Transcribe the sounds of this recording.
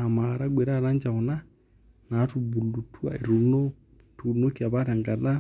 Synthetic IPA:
a˨ma˨ɾa˦ɡwɛ˨ɾa˦˨ɾa˦nd͡ʒa˨ɔ˨na˦ | na˦tu˨bu˨lu˨tʰu˦a̰˨i˨ɾu˨nɔ˦ | tʰu˨nɔ˦kia˨βa˦ɾa˨ŋɡa˨ða˦

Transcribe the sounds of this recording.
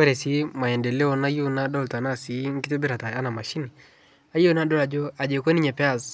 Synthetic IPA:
kwɛ˦ɾɛ˨si˦ma˨jɛ˨ndɛ˨le˦ɔ˨na˦ju˦na˦dɔ˦˨lta˨na˦˨si˨˦ŋ˦kɪ˦te˦bɪ˦ɾa˨ta˨a˦na˨ma˨ʃi˦ni˨ | a˦jo˦na˦dɔ˦la˨d͡ʒo˦a˨d͡ʒe˨kwe˦ni˦ɲɛ˨pɛ˦a˨s

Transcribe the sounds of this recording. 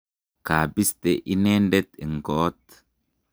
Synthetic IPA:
ka˨bi˦st̪e˨ʔi˦ne˦ndɛ˦t̪i˨ŋɡoː˨˦t̪

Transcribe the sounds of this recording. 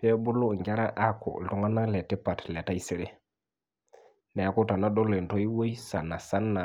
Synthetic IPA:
pɛ˦bu˦lu˦˨ŋɡa˦ɾa˦ʔa˦ko̰˨ltu˦ŋa˦na˦le˨tːi˦pa˨tle˨ta˦jsi˦ɾe˦ | ne˨a˨˦ku˦ta˨na˦do˦le˨nto˦ji˦wo˦jsa˨na˨sa˦nːa˨

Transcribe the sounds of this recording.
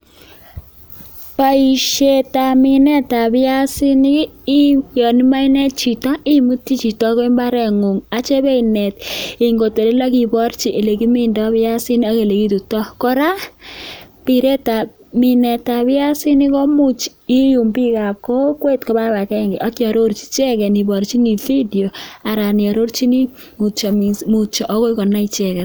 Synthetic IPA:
pa˨i˨ʃe˨ta˨mɪ˨nɛ˦ta˨bɪ˦a˦sɪ˦ni˦ɪ˦jɔ˨ni˦ma˦i˦nɛ˦t̚t͡ʃi˨ta˦ʔɪ˦mu˦ti˦t͡ʃi˨tɔ˦kɔ˦i˦mba˦ɾɛ˨ŋo˨ŋa˨t͡ʃe˦be˦i˨nɛ˨tɪ˨ŋɡo˨te˨de˦la˦ki˨bɔ˦ɾt͡ʃi˨ʔe˨le˨ki˦mɪ˦ndɔ˦bɪ˦a˦sɪ˦ni˦a˦ke˨le˨ki˦tu˨tɔ˦kɔ˦ɾa˦ | pi˨ɾe˦ta˨ | mi˨nɛ˨ta˨bɪ˦a˦si˦ni˦kɔ˦mu˦t͡ʃ | i˦ju˨mbi˦ka˨ko˦kwe˦tkɔ˦ba˦ba˨kɛ˦ŋɡɪ˨ʔa˦kjɔ˨ɾo˦ɾt͡ʃi̥˦t͡ʃɛ˦kɛ˨ni˨bɔ˨ɾt͡ʃi˦ni˨fi˦di˨o˨a˨ɾa˨nɪ˨ɔ˨ɾo˦ɾt͡ʃi˦ni˦ | mu˨t͡ʃa˨mmu˨t͡ʃɔ˨ʔɔ˦ko˦i˦kɔ˨nːa˦i˦t͡ʃɛ˨kɛ˨t

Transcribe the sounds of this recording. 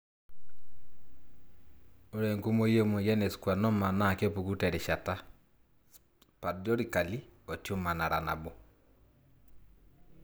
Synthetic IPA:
o˦ɾɛ˨ŋko˦mo˦je˦mo˨jɛ˦ne˨skwa˨nɔ˦ma˨na˦˨ke˦pu˨ɡu˦tɛ˨ɾe˨ʃa˨ta˦ | pa˨dɔ˦ɾi˨ka˨li˦ɔ˨tjo˦ma˨na˨ɾa˨na̰˨bo˦

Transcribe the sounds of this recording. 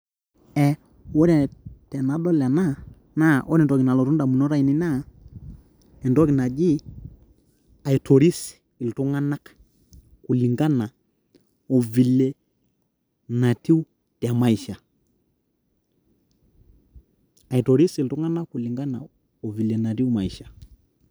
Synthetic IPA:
ɛ˨ | wɔ˦ɾɛ˨tɛ˨na˨˦dɔ˦lɛ˨na˦ | na˦ʔɔ˦nɛ˨tɔ˨ki˨na˨lɔ˨tu˦nda˨mu˨nɔ˦ɾa˦i˨ni˦na˦ | ɛ˨ndɔ˦ki˨na˨d͡ʒi˦ | a˨i˨tʰo˨ɾi˦s | ɪ˨ltu˦ŋa˦na˦k | ku˨li˨ŋɡa˦na˨ | o˨vi˨le˨ | na˨ti˦wu˦ | ti˨a˨ma˨i˨ʃa˨ | a˨i˨to˨ɾi˦si˨ltu˦ŋa˦na˦kːu˨li˨ŋɡa˦na̰˨ | o˨vi˨le˨na˨ti˦wma˨i˨ʃḁ˨

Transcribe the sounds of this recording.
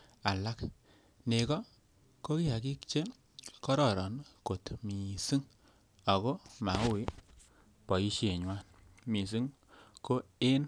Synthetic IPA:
a˨la˦k | ne˨kɔ˦ | ko˦ki˦a˨ki˦k̚t͡ʃe˦ | kɔ˦ɾɔ˨ɾɔ˨nko˨tmi˨sɨ˦ŋ | a˨ko˦ma˨˦ʊ˦˨ɪ˦ | pɔ˨i˦ʃe˨ɲwa˦n | mi˨s̬ɨ˦ŋ | ko˦e˦n

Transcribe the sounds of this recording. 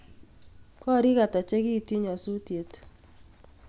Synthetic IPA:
kɔ˦ɾi˦ka˨ta˨t͡ʃe˦ki˦˨ti˦ɲɔ˨su˦tje˨t

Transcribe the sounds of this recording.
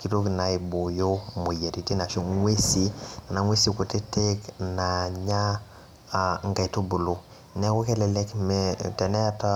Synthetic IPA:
ki˨ɾo˦kna˨i˨bo˨jo˦mo˨ja˨ɾi˨ti˦na˨ʃo˦ŋwe˦si˦na˨ŋwe˦si˦ko˨te˦te˦kna˨ɲa˦˨ | ŋɡa˨to˦bu˨lo˨ | nɛ˦ko˦kɛ˦lɛ˨lɛ˦kmɛtɛ˨nɛ˦ta˦

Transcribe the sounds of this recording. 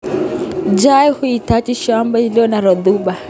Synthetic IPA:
d͡ʒajhu˦i˨ta˦t͡ʃi˦ʃamba˦ili˦ɔ˦na˨ɾɔ˨ðuɓa˨

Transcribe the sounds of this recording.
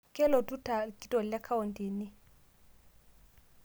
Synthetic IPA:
kʼɛ˦lɔ˨tʼu˦ta˨kʼi˦tʼɔ˨llɛ˦kʰa˦wɔ˨ntʼi˨ni˦

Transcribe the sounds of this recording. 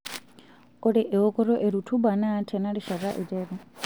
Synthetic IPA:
ɔ˦ɾɛʔɛ˨ɔ˦kɔ˦ɾɔ˦ʔe˨ɾu˨tʰu˦ba˨naː˦tʰɛna˦ɺiʃa˨ɾa˦ʔi˨tʼɛːɾɔ˨

